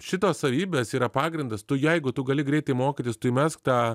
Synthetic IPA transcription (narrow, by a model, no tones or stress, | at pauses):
ʃʲɪt̪oːssɐʋʲiːbʲeːsiːɾɐpɑːɡɾʲɪnd̪ɐst̪ʊjɛɪɡʊt̪ʊɡɐlʲɪɡɾʲɛɪt̪ɐɪmoːkʲiːt̪ʲɪst̪ʊimʲɛskt̪ɑː